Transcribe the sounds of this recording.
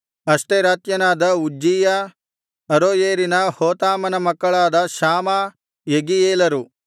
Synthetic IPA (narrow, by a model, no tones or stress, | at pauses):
ɐʂʈeɾaːt̪jɐnaːd̪ɐud͡ʒːiːjɐ | ɐɾoːjeːɾinɐhoːt̪aːmɐnɐmɐkːɐɭaːd̪ɐʃaːma | jeɡijeːlɐɾu